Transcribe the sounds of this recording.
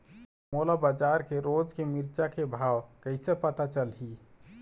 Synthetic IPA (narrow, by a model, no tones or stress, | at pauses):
molabəd͡ʒaɾkeɾod͡ʒkemiɾt͡ʃakebʱawkəɪsepət̪at͡ʃəlɦi